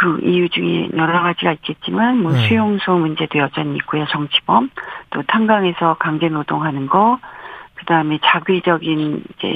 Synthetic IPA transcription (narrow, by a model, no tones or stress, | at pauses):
kɯʔijud͡ʑuŋe̞̰ɲʌɾʌɡad͡ʑiɡait̚k͈e̞t̚t͡ɕ͈imanmʌsʰujoŋsʰoŋmund͡ʑe̞dojʌd͡ʑaɲiik͈̚ujat͡ɕʌŋt͡ɕʰi̥bʌmt͈otʰaŋɡaŋe̞sʰʌkaŋd͡ʑe̞nodoŋɦanɯnɡʌkɯdaɯme̞t͡ɕaɡɥid͡ʑʌɡinid͡ʑe̞̰